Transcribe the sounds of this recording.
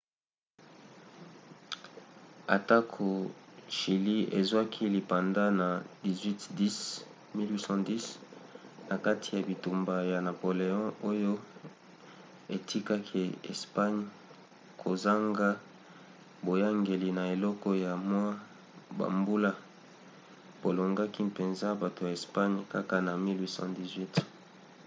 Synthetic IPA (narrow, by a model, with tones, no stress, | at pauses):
a̰˨ta˦kʰo˨ʃi˨li˦ḛ˨zwa˦kʰi˦li˨pa˨nda˦na˨di˨zwi˦tdi˦s | mi˦lwi˦sɑ̃˦di˦s | na˨ka˦tʰi˨ja˨bi˨tu˨mba˨ja˨na˨po˨le˨ɔ̃˦ʔo˦jo˦ | e˨tʰi˦ka˦kʰe˨ḛ˨spa˦ɲ | kʰo˨za˦ŋɡa˦ | bo˨ja˦ŋɡe˨li˨na˨e˨lɔ˦kɔ˦ja˨mwa˦ | ba̰˨mbu˦la˦ | b̥o˨lo˨ŋɡa˦ki˦pe˨nza˦ba˨to˨ja˨e˨spa˦ɲka˦ka˦na˨mi˦lwi˦sɑ̰̃˦di˨zwi˦t